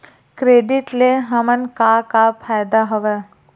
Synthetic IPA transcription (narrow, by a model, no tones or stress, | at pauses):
kɾeːɖiʈleɦɐmənkakapʰaːjd̪aɦɐʋɛ